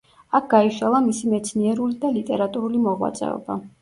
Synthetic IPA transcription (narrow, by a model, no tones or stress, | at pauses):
ak̚ʰɡ̥aiʃalˠamisimɛt̪sʰniɛɾulid̪alit̪ʼɛɾat̪ʼuɾulimɔʁwa̰t̪sʼɛ̰ɔ̰ba